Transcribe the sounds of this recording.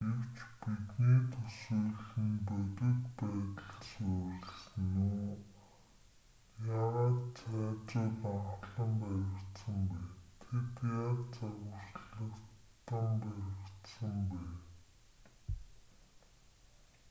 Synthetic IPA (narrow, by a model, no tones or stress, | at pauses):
ɡewt͡ɕpit̪niːt̪ʰɵsuːɮxĭːŋpœt̪ɪ̆t̪pæːt̪ə̆ɮsœʊːɮ̆snuː | jaʁaːt̪t͡sʰæːt͡sʊːɮaɴχɮə̆mpæɾʲɪ̆kt̪sə̆mpæːnt̪ʰet̪jaːt̪t͡saɣʊ̆sɮə̆kt̪ə̆mpæɾɪ̆kt̪sə̆mpæːn